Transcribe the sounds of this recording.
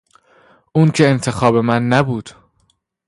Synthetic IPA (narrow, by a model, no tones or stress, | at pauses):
ʔuːncʰe̞ent̪ʰe̞xɒːbe̞mænːæbuːd̪̥